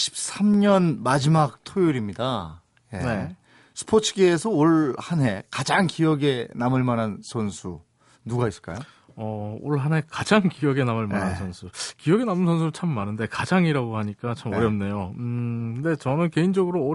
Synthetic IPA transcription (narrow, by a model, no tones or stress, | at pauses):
ɕʰi̥p̚s͈ʰamɲʌnmad͡ʑimak̚tʰojuɾimɲida | jene̞ | sʰɯ̥pʰot͡ɕʰɯɡeːsʰʌoɭhanɦe̞kad͡ʑaŋkijʌɡe̞namɯɭmanansʰʌnsʰu | nuɡais͈ɯ̥ɭk͈a̰jo | ʌoɭɦanɦe̞kad͡ʑaŋkijʌɡe̞namɯɭmanɦansʰʌnsʰukijʌɡe̞namɯnsʰʌnsʰuɯt͡ɕʰamːanɯnde̞kad͡ʑaŋiɾaɡohaɲik͈at͡ɕʰamʌɾjʌp̚ne̞joɯde̞t͡ɕʌnɯnke̞ind͡ʑʌɡɯɾoː